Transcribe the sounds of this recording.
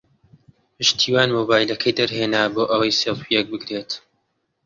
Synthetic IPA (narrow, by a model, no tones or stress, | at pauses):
pɨʃt̪ʰiːwaːnmoːbaːjlɐkʰɐjd̪ɐɾɦeːnaboːʔɐwɐjsefijɛk̚bɨɡɾeːt̪